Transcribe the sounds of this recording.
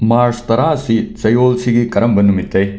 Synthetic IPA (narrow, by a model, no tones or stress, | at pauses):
maːɾst̪ɐɾaːsit͡sɐjoːlsiɡikɐɾɐmbɐnːumit̪ːɐj